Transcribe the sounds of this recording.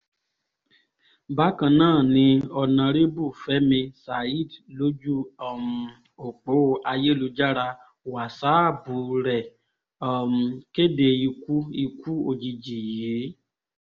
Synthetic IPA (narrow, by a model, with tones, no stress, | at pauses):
ba˨˦kã˧nãː˦˨nĩ˧ɔ˧nã˧ɾe˦bu˦˨fɛ˨˦mĩ˧sa˨i˦˨dlo˨˦d͡ʒu˦ɔ˦˨m˨ | o˨k͡po˨˦˨a˧je˦˨lu˧d͡ʒa˦ɾa˧˨ | wa˨sa˨˦˨bu˨˦ɾɛ˨ | ɔ˨m˨ke˦de˧i˧ku˦i˧ku˦o˧d͡ʒi˧˨d͡ʒi˨jje˨˦